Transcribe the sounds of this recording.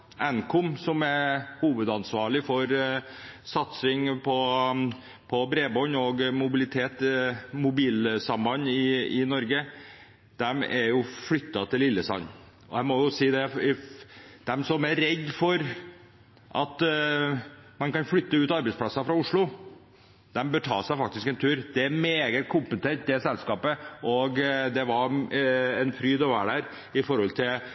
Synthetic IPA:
ʔɛnkʰʊmsɔmæɾhuːʋəd̪ɑnsʋɑːɭɪfɔɾ | sɑt̪sɪŋpʰɔ | pʰɔbɾeːbɔnɔɡmʊbɪlɪt̪ʰeːt̪mʊbiːlsɑmbɑnːɪɪnɔɾɡə | d̪̥ɛmɛɾjʊfɽʏt̪ːɑt̪ʰɪlːɪlːəsɑ̰n | ɔ̰hæɾmɔjʊsiːd̪ɛ | d̪̥ɛmsɔmæɾɛɡːfɔɾ | ʔɑt̪ | mɑnkɑnflʏt̪ːəʉːt̪ɑɾbɛɪspʰlɑsɑfɾɑʊʂɭʊ | d̪ɛmbət̪ʰɑ̰ːʂæɪfɑk̚t̪ɪskɛnt̪ʰʉːɾd̪ɛæɾmeːɡət̪kʰʊmpət̪ʰɛʈ̪̚d̪ɛsɛlskɑːpəɔɡd̪ɛʋɑɾ | ɛnfɾyːd̪ɔʋæ̰ːɖæɾ | ɪfɔɾhɔlt̪ʰɪl

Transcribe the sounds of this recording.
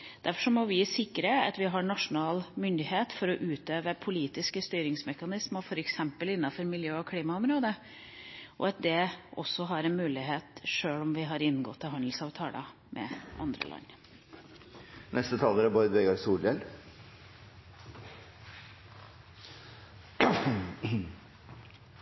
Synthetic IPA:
d̪̥æɾfɔʂɔmɔʋɪsɪkːɾəɑ̰t̪ʋɪɦɑɳɑʂʊnɑːlmʏnd̪ɪheːt̪fɔɾɔʔʉːt̪øːʋəpʰʊliːt̪ɪskəst̪yːɾɪŋsmɛkɑnɪsmɑfɔɾɛksɛmpəlɪnːɑfɔɾmɪljøːɔkʰɽiːmɑʊmɾoːd̪ə | ʔɔ̰ɑt̪̚d̪ɛʔɔsːɔɦɑɾɛnmʉːlɪɦeːt̪ʂøːɭɔmʋɪɦɑɾɪnːɡɔ̰t̪ːəɦɑnd̪l̩sɑːʋt̪ʰɑːlɑ̰ | mʔɛ̰ʔɑ̰nd̪ɾə̰lʔɑ̰nː | nɛst̪ət̪ʰɑləɾæbɑɾəd̪ʋɛɡɑɾsuːljɛl

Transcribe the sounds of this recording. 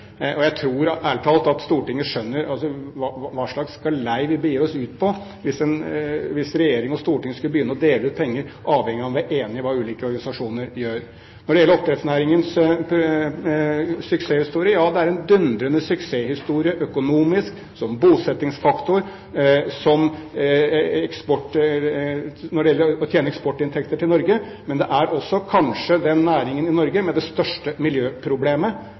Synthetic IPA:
ɔjæɪt̪ʰɾuːɾælʈʰɑːlt̪ɑt̪st̪uːʈɪŋːəʂœnːəɾɑlsɔʋɑʋɑːʂɭɑkskɑlæɪʋɪbəjiːɾɔsʉːt̪̚pʰɔ | ʋɪsɛnʋɪsɾɛjeːɾɪŋɔst̪uːʈɪŋːəskʉləbəjʏnːəɔd̪eːləʉːt̪̚pʰɛŋːəɾʔɑːʋhɛŋːɪɑʋæʔeːnɪɔʋɑːʉːliːkəɔɾɡɑnɪsɑʂuːnəɾjøːɾ | nɔɖɛjɛlːəɾɔpt̪ɾɛt̪snæːɾɪŋəns | sʏkseːhɪst̪uːɾɪəjɑːd̪ɛæɾɛnd̪ʉnd̪ɾənəsʏkseːhɪst̪uːɾɪəʔœkʊnuːmɪsk | sɔmbuːsɛt̪ːɪŋsfɑkt̪ʊɾ | sɔm | ɛkspɔʈ | nɔɖɛjɛlːəɾɔt̪ʰjeːnəɛkspɔʈːɪnt̪ʰɛkt̪əʈʰɪlnɔɾɡə | mɛnd̪ɛʔæɾɔsːɔkʰɑnʂəd̪ɛnːæːɾɪŋənɪnɔɾɡəmɛd̪ɛst̪œʂʈəmɪljøːpʰɾʊbleːmə

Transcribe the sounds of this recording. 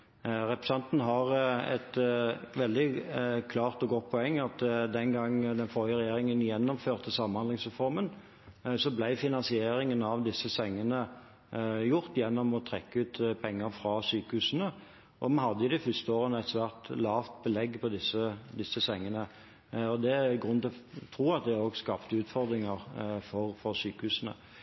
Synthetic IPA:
ɾɛpɾɛsɛnt̪nɦɑʁɛ̰t̪ʋɛld̪ɪkʰlɑːʁt̪ɔɡɔt̪̚ːpʰɔɛŋːɑt̪d̪ɛnɡɑŋːd̪ɛnfɔɾjəɾɛjeːɾɪŋənjɛnːɔmføːʁt̪əsɑmənhɑnd̪ɪŋsʁɛfɔɾmən | sɔblæɪfɪnɑnsɪeːɾɪŋənɑʋd̪ɪsːəsɛŋːənə | jʊʁt̪jɛnːɔmɔt̪ʰʁɛkːəʉːt̪pʰɛŋːəɾfɾɑsyːkəhʉːsənə | ʔɔmɑnhɑd̪ːəjʊd̪ɪfʏst̪əoːʁənæt̪sʋæːʁt̪lɑːft̪̚bəlɛɡːpʰɔd̪ɪsːəd̪ɪsːəsɛŋːənə | ɔd̪ɛɡʁʉnt̪ɪlɔt̪ʰɾuːɑt̪̚d̪ɛoːɡskɑpt̪əʉːt̪fɔʁd̪ɾɪŋəʁfɔʁfɔɾsyːkəhʉːsənə̰

